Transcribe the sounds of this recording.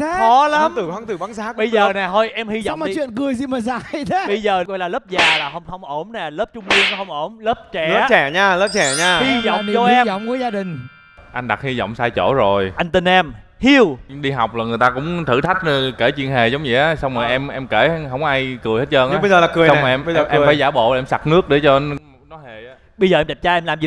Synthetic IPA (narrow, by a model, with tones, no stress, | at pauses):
kɔ˨˦la˨˦mt̪ɨ˨˩kwa˨˦ŋt̪ɨ˨˩ɓaː˨˦nsaː˦˥kɓə˧jzəː˨˩˨nɛ˨˩t̪ʰo˧jʔɛ˧mhi˧zɔ̰˧˨˦maː˨˧˨t͡ɕwḭ˧˨ə˨nkɨ˨˩əjsi˧məː˨˩zaː˧jɗɓə˧jzəː˨˩kɔ̰˧˨jlaː˨˩əː˦˥p̚zaː˨˩laː˨˩ɦə˧wŋ͡mhə˧wŋ͡mʔo˧˩mnɛ˨˩ləː˦˥p̚t͡ɕʊ˧ŋ͡mki˧əŋnɔ˨˦hə˧wŋ͡mʔo˧˩mləː˦˥p̚t͡ɕɛ˧˩˨əː˦t͡ɕɛ˨˩ɲaː˧ləː˦˥p̚t͡ɕɛ˨˩ɲaː˧hi˧zɔ̰˧˨wŋ͡mɔ˧˨˧ɛ˧zɔ̰˧˨wŋ͡mku˨˧˦əzaː˧ɗï˨˩ŋ̟ | ʔa˧jŋ̟ɗa˨˩t̚hi˧zɔ̰˧˨wŋ͡msaː˧jt͡ɕo̰˧˩zo˨˩jʔa˧jŋ̟t̪ï˨˩n̟ʔɛ˧mhi˧əwɗi˧ɦa˨˩wk͡p̚laː˨˩ŋɨ˨˩əjt̪aː˧kʊ̰˧˥ŋ͡mt̪ʰɨ̰˧˩t̪ʰa˦˥k̟̚ke˧˩t͡ɕwi˧ənɦe˨˩zə˨˦wŋ͡mzi˨˩ʔaː˨˦sa˧wŋ͡mmː˨˩jʔɛ˧mʔɛ˧mke˧˩ɦə˧wŋ͡mʔaː˧jkɨ˨˩he˦˥t̚ʔəː˧nʔə˧zəː˨laː˨˩kɨ˨˩jsʔɛ˧m˧˨˧ʔɛ˧˨˧faː˧˩˦jzaː˧˩ɓo̰˧˨laː˨ʔɛ˧msa˨˩k̚nɨ˦˥ək̚ɗe˨˦t͡ɕɔ˧ | nɔ˨˦jhe˨˩ʔaː˨˦ | ɓə˧jzəː˨˩ʔɛ˧˩t͡ɕa˨˩t͡ɕaː˧ʔɛ˧mlaː˨˩mzḭ˨˩